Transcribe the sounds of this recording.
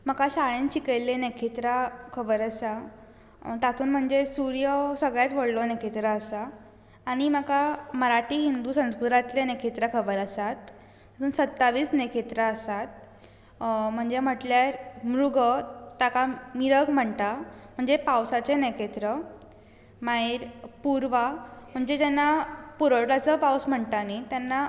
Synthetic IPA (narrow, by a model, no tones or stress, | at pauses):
məkaɕaɭẽnt͡ɕikejlenekʰet̪ɾakʰəbəɾəsa | t̪at̪ʰuːnm̤əɳd͡zesuɾjəsəɡɭjat͡sʋəɽlonekʰet̪ɾəəsaː | ɽ̃iməkaməɾaʈiːɦind̪uːsə̃nskut̪ɾat̪lenekʰet̪ɾakʰəbəɾəsat̪ | at̪ʰuːnsət̪ːaʋiːsnekʰet̪ɾaəsat̪̚ | m̤əɳd͡zem̤əʈljaɾmɾuɡət̪akamiɾəɡm̤əɳt̪am̤əɳd͡zepawsat͡senekʰet̪ɾə | maiɾpuɾʋam̤əɳd͡zet̪anːapuɾəɭʈat͡səpawsm̤əɳt̪anit̪janːa